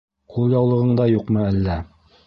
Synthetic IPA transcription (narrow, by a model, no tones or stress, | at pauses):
qʰulˠjɑwlˠɤ̆ʁɤ̆ɴd̪ɑjuqmɤælːæ